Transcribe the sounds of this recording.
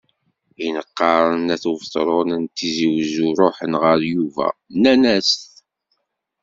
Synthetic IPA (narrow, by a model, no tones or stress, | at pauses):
inəqːɑɾˤənæθuvt̪ˤɾˤonænt̪ːiziwzuɾˤoħənʁəɾjuvæ̰nænæsθ